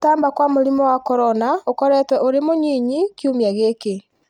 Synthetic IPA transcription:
taːmbakwamoɾimɔwakɔɾɔnaokɔɾɛtwɛʔoɾemoɲiɲikjumjaɣeke

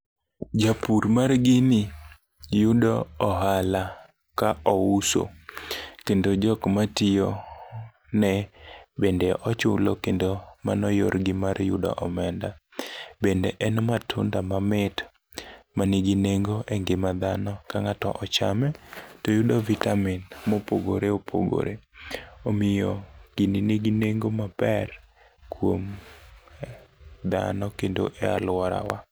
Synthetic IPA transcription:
d͡ʒapuɾmarɡɪnɪ | judɔɔɦala | kaɔuso̰ | kendod͡ʒɔkmatɪjɔ | nɛbendɛʔɔt͡ʃʊ̰lokendoma̰nɔjo̰ɾɡɪmarjʊ̰dɔ̰ʔɔmɛndabendɛʔɛnmatʰʊ̰ndamamɪt | maniɡineŋɡoʔeŋɡɪmad̪anɔkaŋatɔ̰ʔɔt͡ʃamɛtojudɔvitamɪnmopoɡo̰ɾeopʰo̰ɡo̰ɾeomɪjɔɡ̥ininiɡineŋɡomapɛr | kʰwom | d̪a̰nɔkendo̰ʔɛa̰lwaɾa̰wa

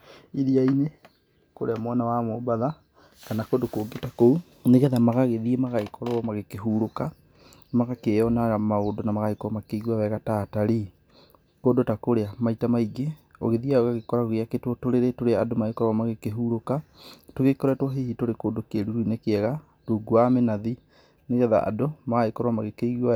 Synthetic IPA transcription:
iðiaine | koɾeamwanawamobaða | kanakodokoɡetakou | neɣɛðamaɣaɣeðiemaɣaekʰɔɾɔmaɣekeɦuɾoka | maɣakejɔnaɣamaodonamaɣaikɔmakeɣwawɛɣataːtaɾi | koːdotakoɾeamaitamaiɡeo̰ɣeðiaoɣaɣekɔɾaɣoɣeaketwɔtoɾeɾetoɾeadomaekɔɾɔamaɣekeɦuɾokatoɣekɔɾɛtwɔɦehitoɾekoːdokeɾuɾuinekeɛɣa | toːɡuamenaði | neɣɛða̰ʔa̰domaɣaekɔɾɔamaɣekeiɣua

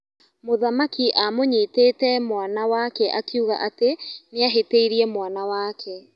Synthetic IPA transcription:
moðamakiʔamoɲiteːtɛmwanawakɛʔakiuɣa̰ʔateneaɦeteiɾiɛmwanawakʰɛ

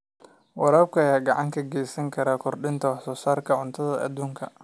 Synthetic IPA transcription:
wɑɾaːb̚kʰɐɐjaːɡɑʕɑŋkʰɐɡɛjsɐŋkʰɐɾaːkʰɔrɖɪnt̪ʰɐwɑħsɔːsaːrkʰɐʕʊnt̪ʰɐðɐʔɐ̰d̪uːŋkʰɐ̰

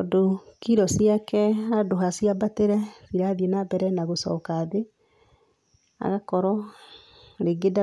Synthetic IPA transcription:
ɔdokiɾɔsiakɛadoɦasiabateɾɛsiɾaðienabɛɾɛnaɣosɔ̰ːkaːðe | a̰ɣakɔɾɔ | ɾeɡeda

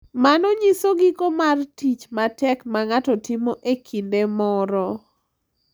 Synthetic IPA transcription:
manɔɲisoɡikomartit͡ʃmatɛkmaŋatɔtɪmoʔekʰindemɔɾɔ

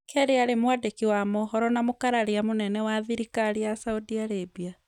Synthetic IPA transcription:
kʰɛɾeaɾemwadekiwamɔɦɔɾɔnamokaɾaɾeamonɛnɛwaðiɾikaɾijasaudiaɾebia

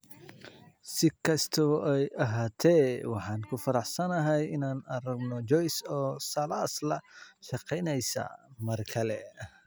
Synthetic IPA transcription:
sɪkʰɐst̪ʰɔʔɛjʔɐɦaːt̪ʰɛwɑħɑːnkʰʊfɐɾɑħsɐnɐɦɛjɪnaːnɐɾɐɡnɔd͡ʒɔjsɔːsɐlaːslɐʃɑqɛjnɛjsɐ̰mɐrkʰɐlɛ

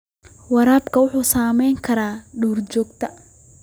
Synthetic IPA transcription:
wɐɾaːbkʰɐwʊħuːsaːmɛjŋkʰɐɾaːɖuːrt͡ʃɔːɡt̪ʰɐ

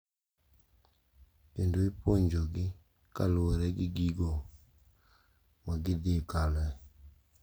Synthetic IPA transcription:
endoipoɲd͡ʒoɡɪ | ka̰lwɛɾɛɡiɡiɡɔ | maɡɪdikalɛ

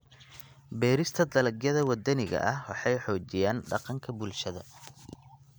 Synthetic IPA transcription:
bɛːɾɪst̪ʰɐd̪ɐlɐɡjɐðɐwɐd̪ɐnɪɣɐ̰ʔɐhwɑħɑjħɔːt͡ʃɪjaːnɖɑqɑŋkʰɐbʊlʃɐðɐ̰

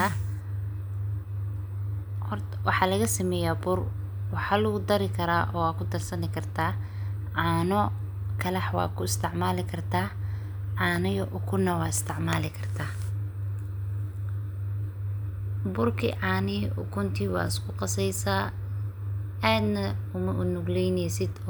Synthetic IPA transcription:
hr | wɑħɑːlɐɣɐsimɛːjabʊr | wɑħɑːlʊɣʊd̪ɐɾɪkʰɐɾaːʔɔːwaːkʰʊd̪ɐrsɐnɪkʰɐrt̪ʰaː | ʕɑːnɔ | kʰɐlɐħwɑ̰ːkʰʊɪst̪ʰɪʕmaːlɪkʰɐrt̪ʰaː | ʕɑːnɪjɔʔʊkʰʊnːɐwɑːɪst̪ʰɪʕmaːlɪkʰɐrt̪ʰaː | bʊrkʰḭːʕɑːnɪʔʊ̰kʰʊnt̪ʰiːwɑ̰ːɪskʰʊqɑsɛjsaː | aːd̪nɐʊmɐʔʊnʊɡlɛjnɛjsɪd̪

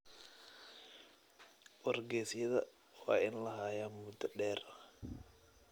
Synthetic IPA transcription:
wɐrɡɛːsjɐðɐ | wa̰ːʔɪnlɐɦaːjamud̪ɐɗɛːɾ

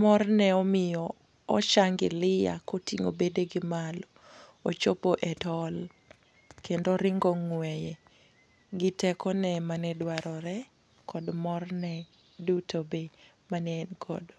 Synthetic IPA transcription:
mɔrnɛɔmɪjɔ | ɔt͡ʃaŋɡɪlɪja̰kotiŋo̰bedeɡɪmalɔ | ot͡ʃopoʔɛtɔl | kendoɾɪŋɡɔŋwɛjɛ | ɡɪtɛkɔnɛmanɛdwaɾɔɾɛ | kʰɔdmɔrnɛ | dutobe | manɛnkʰɔ̰d

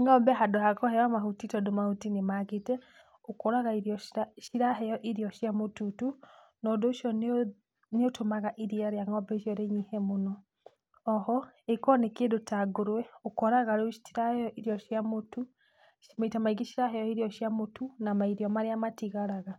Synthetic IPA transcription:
ŋɔmbɛɦadohakɔhɛjamaɦutitɔdomahutinemaɣetɛ | okoɾaɣaiɾɔaʃiɾaɦɛjɔʔiɾiɔʃjamotutu | nɔdoʃjɔ | neotomaɣaʔiɾiaɾeaŋɔmbɛʃjɔɾeɲihɛmonɔː | hɔekɔnekedotaɡoɾwɛokoɾaɣaɾoiɾahɛjɔʔiɾiɔʃjamotu | maitamaiɡiʃiɾaɦɛjɔiɾiɔʃjamotunamaiɾjɔmaɾeamatiɣaɾaɣa

